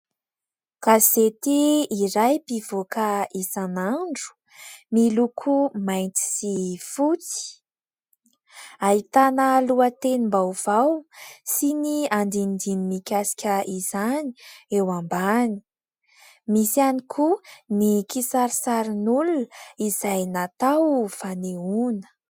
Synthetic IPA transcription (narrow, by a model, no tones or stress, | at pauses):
kazet̪iːɾajpivokəisanaɳɖ͡ʐu̥ | milukʰumajnt͡s̪i̥sifut͡si̥ | aɦit̪anəluat̪enimbawv̥awsiniand̪ind̪inimikʲasi̥kʲəʔiz̥ani̥ewambani̥ | misianikʰunikisaɾisaɾinuluiz̥ajnat̪awv̥aneunə̥